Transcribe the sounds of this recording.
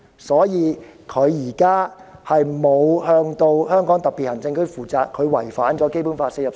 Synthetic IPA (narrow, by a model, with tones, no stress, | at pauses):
sɔː˨˥jiː˨˧ | kʰɵ˨˧ɥjiː˨˩kaː˥hɐ˨jmo˨˧whœː˧ŋt̪o˧whœː˥ŋkɔː˨˥ŋt̪ɐ˨˩pːiː˨t̚hɐ˨˩ŋt͡sɪ˧ŋkʰɵ˨˥ɥfuː˨˩t͡saː˨kʰɵ˨˧ɥwɐ˨˩jfaː˨˥nt͡ʃɔː˨˥ke˥jpuː˨˥nfaː˧˥tsɪ˥jɐ˨p